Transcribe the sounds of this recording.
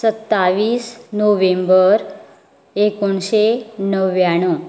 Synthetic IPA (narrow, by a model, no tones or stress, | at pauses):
sət̪ːaʋiːsnoʋembəɾ | ekoɳɕenəʋjaɽ̃u